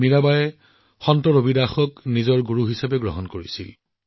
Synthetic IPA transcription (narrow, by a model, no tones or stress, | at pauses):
miɹabajɛ | xɔntɔɹobidaxɔknizɔɹɡuɹuɦisabɛɡɹɔ̰ɦɔnkoɹḭsḭl